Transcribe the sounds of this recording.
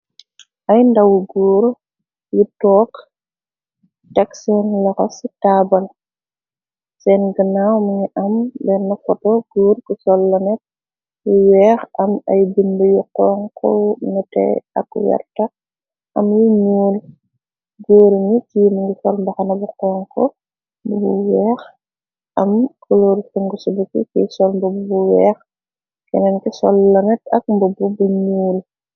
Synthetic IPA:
ʔɐjndawuɡuːɾ | jitɔːk | tɛksɔnlɐkɐstaːbɐl | sɛnɡənawməɲiʔɐmbɛnːufɔtɔɡ̥uːɾkusɔlːɐnɛt̚ | jiwɛːxɐmɐ̰jbinbəjuqɔːŋkʰɔ̰nutɛ̰ɐ̰kːwɛ̰rtɐ | ʔɐmjuɲuːl | ɡoːɾiŋitijmɐŋɡisɔlmbɐxɐnɐbuqɔːŋkɔ | bubuwɛːx | ɐmkuloːɾsɛŋɡusubukḭkḭsɔlmbɔbubuwɛːx | kɛnɐnkisɔ̰lːɐnɛtɐk̚mbɔbubuɲuːl

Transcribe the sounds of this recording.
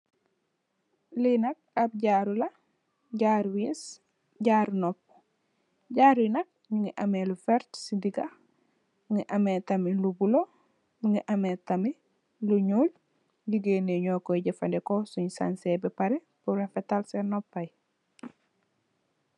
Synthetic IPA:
linɐk̚ab̚ɟaːɾulɐ | ɟaːɾwis | ɟaːɾnɔp̚ | ɟaːɾwinɐk̚ɲuŋɡiʔamelufɛɾtsidiɡa | mŋiʔametɐmilubulo | ɲuŋiʔɐmetɐmi | luɲuːl | ɟiɡeneɲɔːkɔjɟɐfɐndɛkosuɲisa̰nsɛbɛpaɾe | puɾafɛtalsenɔpːɐj

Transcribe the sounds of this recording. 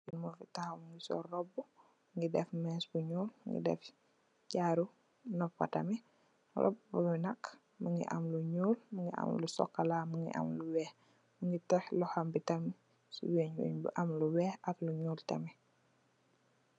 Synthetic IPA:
ɡinmɔfitahomŋɡisɔ̰rɔbːu | mŋɡidɛfmɛsbuɲuːlmŋɡḭdɛ̰f | ɟaːɾu | nɔfːa̰tɐmɛ | rɔ̰bbuminɐk | məŋɡḭʔa̰mluɲuːlməŋɡiʔa̰mlusɔ̰kːalaməŋɡḭʔa̰mluwɛːh | məŋɡitɛxlɔhambitɐmi | sṵweɲṵɲbṵʔɐmluwɛːhɐkluɲuːltɛmɛ

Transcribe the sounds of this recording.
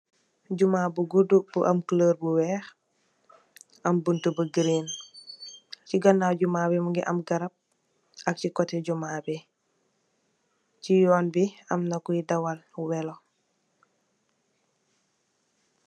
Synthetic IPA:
ɟumaːbuɡudubuʔɐmkələːɾbuwɛx | ɐmbuntubɐɡiɾin | ciɡɔnːaɟumaːbɛmuŋɡiʔɐmɡɐɾɐp̚ | ɐk̚cikɔtɛɟumabi | cijɔːnbiɐmnɐkujidɐwalwɛlo

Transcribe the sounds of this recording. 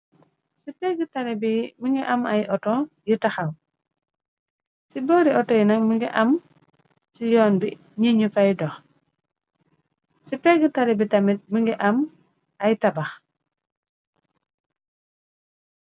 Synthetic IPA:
sipɛɡitaɾɛbimiŋɡɛʔamajʔɔtɔ | jitaxaw | sibɔɾiɔtɔjinaŋmiŋɡɛʔam | sijɔːnbi | ɲiɲupajdɔx | sipɛɡitaɾɛbitamit̚miŋɡɛʔam | ajtabax

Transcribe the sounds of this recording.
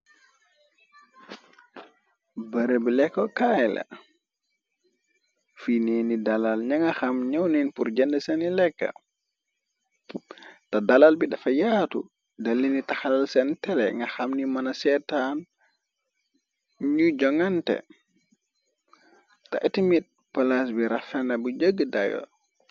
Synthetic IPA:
baɾɛbilɛkːɔkajla̰ | finenidalalɲaŋɡaxamɲawninpuɾd͡ʒɛndɛsɛnilɛkːa̰ | tadalalbidafajaːtṵ | dɐlːinitaxalalsɛntɛlɛ̰ŋɡɐxamnimɐnɐsɛtan | ɲud͡ʒɔŋantɛ̰ | ta̰ʔtimit̚ | palas̬biɾafɛnɐbud͡ʒəɡːədajɔ̰

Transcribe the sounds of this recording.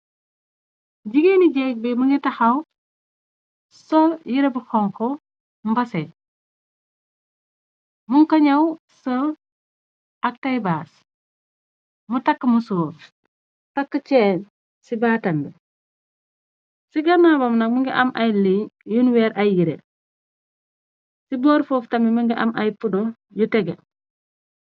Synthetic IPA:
ɟiɡeniɟɛk̚bɛmuŋɡitɐxɐw | sɔljiɾebuxɔŋkɔ | mbɐsɛ | muŋkɐɲɐw | sɔl | ɐk̚tɐjbaːs | mutɐkːəmusoːf | takːət͡ʃɛːn | sibaːtɐmbɛ | siɡɐnabɐmnɐkmuŋɡiʔɐmʔajliɲjunwɛːɾɐjjiɾḛ | siboːɾfoːftɐmimuŋɡiʔɐ̰mʔajpudɔ | jutɛɡe

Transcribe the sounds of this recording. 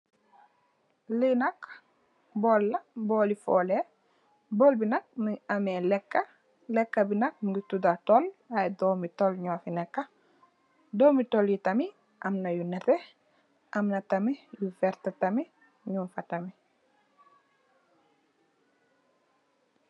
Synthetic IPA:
linɐk | bɔːlːɐbɔːlifɔːle | bɔːlbinɐk̚miɐmɛlɛkːɐ | lɛkːɐbinɐk̚miɡutudatɔlɐjdɔːmitɔlɲɔːfinɛkːɐ | dɔːmitɔljitɐmi | ʔɐmnɐjunɛtɛ | ʔɐmnɐtɐmijufɛɾtɐtɐmi | ɲunfɐtɐmi

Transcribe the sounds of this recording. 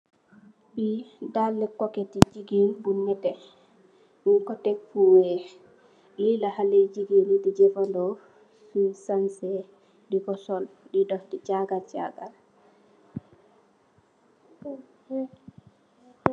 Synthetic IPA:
bidalːɛkɔkɛtid͡ʒiɡinbunːɛtɛ | muŋkɔtɛkfuwɛ | lilahalɛd͡ʒiɡinidid͡ʒɛfandɔ | fisansɛ | dikɔsɔldidɔdit͡ʃaɡalt͡ʃa̰ɡal

